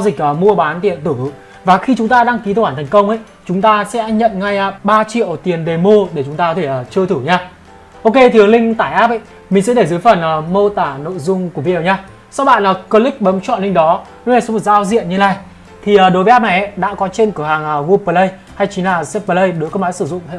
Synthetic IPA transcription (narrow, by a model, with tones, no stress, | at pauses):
a˧wzï˨˩k̟̚ʔəː˨˩mu˧əɓaː˨˦nt̪i˧˨ənt̪ɨ˧˩˨ | vaː˨˩xi˧t͡ɕʊ˨˦ŋ͡mt̪aː˧ɗaː˧ŋki˨˦˧whaː˧˩t̪ʰŋkə˧wŋ͡mʔə̰˧˥˨j | t͡ɕʊ˨˦ŋ͡mt̪aː˧sɛ̰˧˥ɲə̰˧˨nŋa˧jɓaː˧t͡ɕḭ˧˨ə˨wt̪i˨˩ənɗe˨˩mo˧ɗe˧˩t͡ɕʊ˨˦ŋ͡mt̪a˧kɔ˧e˧˩əː˨˩t͡ɕɨ˧ət̪ʰɨ˧˩ɲaː˧ | ʔo˧ke˧t̪ʰɨ˨˦əŋlï˧ŋ̟t̪aː˧˩jʔaː˦˥p̚ʔə̰˧˨j | mï˨˩ŋ̟sɛ̰˧˥ɗe˧˩zɨː˨˦jfə˨˩nʔəː˨˩mo˧t̪aː˧˩no̰˧˨jzʊ˧ŋ͡mku˧˩vi˧˨ɗɲaː˧ | sa˧wɓa̰ː˧˨nlaː˨˩kəː˧li˦˥k̚ɓə˨˦mt͡ɕɔ̰˧˨nlï˧ŋ̟ɗɔ˨˦n˨˦aː˧˨˩sɔ˨˦mo˨˩zaː˧wzḭ˧˨ənɲɨ˧nlaː˧˨˩j | t̪ʰi˨˩əː˨˩ɗo˨˦vaː˦˥p̚na˨˩jʔə˧˩ɗa̰ː˧˥kɔ˨˦t͡ɕe˧nkɨ˧˩haː˨˩ŋə˨˩ɣu˧pəː˧lə˧j | ha˧jt͡ɕi˨˦nlaː˨˩sɛ˦˥pə˧lə˧jɗɨ˨˦jkɔː˨˦maː˨˦jsɨ˧˩zʊ̰˧˨ŋ͡mḛ˧˨